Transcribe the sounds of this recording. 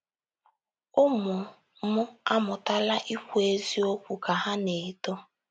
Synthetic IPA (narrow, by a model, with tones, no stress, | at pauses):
ʊ˦mʊ˨ | mʊ˦a˦mʊ˨ta˦la˦ʔi˦kʷe˦zi˦o˦kʷu˨ka˨ɦa˦ne˨to˦